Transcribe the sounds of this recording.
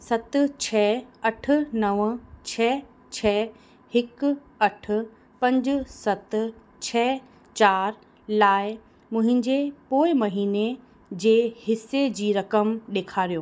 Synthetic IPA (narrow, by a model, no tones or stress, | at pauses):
sɐt̪t͡ɕʰɛːɐʈʰʊ̆nɐʋt͡ɕʰɛː | t͡ɕʰɛː | hɪk | ɐʈʰʊ̆ | pɐ̃ɲd͡ʑ̆sɐt̪ | t͡ɕʰɛː | t͡ɕaːɾ | laːɪ | mʊ̃ɦɪ̃ɲd͡ʑepoːɪmɐɦiːne | d͡ʑeːhɪsːed͡ʑiːɾɐkəmɗeːkʰaːɾijoː